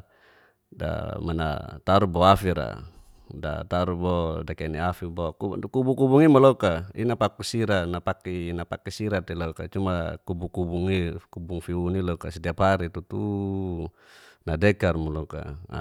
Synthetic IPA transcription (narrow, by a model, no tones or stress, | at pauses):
da̰mana̰t̪aɾubɔafiɾa̰ | da̰t̪aɾubɔdakɛniafibɔkukubukubuŋimɔlɔkainapakusiɾanapakinapakɛsiɾat̪ɛlɔkat͡ʃumakubukubuŋikubuŋfiunilɔkasidiapɦaɾit̪ut̪u | nadɛkarmɔlɔka̰